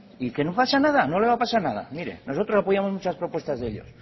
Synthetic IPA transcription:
ike̞nopasanað̞ano̞le̞β̞apasaɾnaða̰miɾe̞̰no̞so̞t̪ɾo̞sapojamo̞zmut͡ʃaspɾo̞pwe̞st̪azðe̞ʎo̞̰s

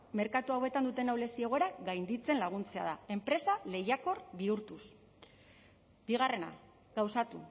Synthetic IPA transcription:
me̞ɾkat̪uawe̞t̪and̪ut̪e̞nawle̞sie̞ɣo̞e̞ɾaɣajnd̪it͡se̞nlaɣ̞unt͡se̞a̰ð̞ae̞mpɾe̞sale̞jako̞rβiuɾt̪us | biɣ̞are̞na̰ | ɡawsat̪u

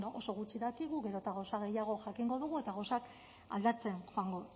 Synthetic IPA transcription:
no̞so̞ɣut͡ʃiðakiɣuɣe̞ɾo̞t̪aɣawsaɣe̞jaɣ̞o̞ʝakiŋɡo̞ðuɣ̞ue̞t̪aɣawsak | a̰ld̪at͡se̞nxoaŋɡo̞

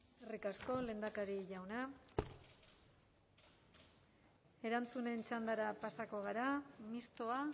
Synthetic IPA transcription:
erikasko̞le̞ːnd̪akaɾiʝawna | e̞ɾant͡sune̞nt͡ʃand̪aɾapasako̞ɣ̞aɾamist̪o̞a

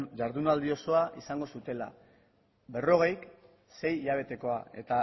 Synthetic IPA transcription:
ʝaɾðunald̪io̞so̞aʔisaŋɡo̞sut̪e̞la̰ | be̞ro̞ɣ̞e̞jk | se̞jʎaβ̞e̞t̪e̞ko̞ae̞̰t̪a

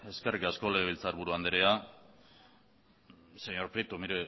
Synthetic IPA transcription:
e̞skerikasko̞le̞ɣ̞eβ̞ilt͡saɾβuɾuand̪eɾea | seɲo̞ɾpɾit̪omiɾe

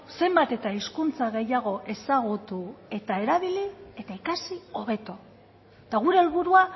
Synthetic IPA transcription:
se̞mbat̪e̞t̪aiskunt͡saɣe̞jaɣ̞o̞ʔe̞saɣ̞ut̪ue̞t̪ae̞ɾaβ̞ilie̞t̪aikasio̞β̞e̞t̪o | t̪aɣ̞uɾe̞ːlβuɾua

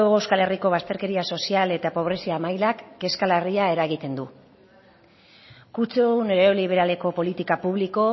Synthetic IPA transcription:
ɣewskale̞riko̞β̞ast̪e̞ɾke̞ɾiaso̞siale̞t̪apo̞β̞ɾe̞siaːmajlakːe̞skaleriae̞ɾaɣit̪e̞nd̪u | kut͡seuneɾeoliβ̞e̞ɾale̞ko̞po̞lit̪ikapuβ̞liko̞

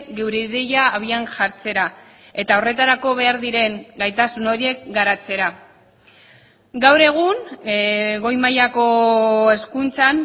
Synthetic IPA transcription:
kɡe̞wɾeiðeʎaːβ̞ianʝaɾt͡se̞ɾa | e̞t̪aore̞t̪aɾako̞βe̞aɾðiɾe̞ŋɡajt̪asuno̞ɾie̞k̚ɡaɾat͡se̞ɾa | ɡawɾe̞ɣ̞un | ɣo̞jmajako̞e̞skunt͡san

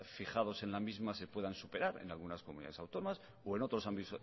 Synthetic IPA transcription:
fixað̞o̞se̞nlamizmase̞pwe̞ð̞ansupe̞ɾaɾḛnalɣ̞unaskomunḭða̰ðesawt̪o̞nomas | oe̞no̞t̪ɾo̞sambit̪o

